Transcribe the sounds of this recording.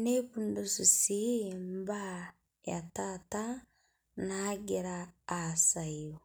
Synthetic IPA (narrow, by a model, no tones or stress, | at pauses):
neβundususimmba | ja̰tata | naːɡiɾaːsajo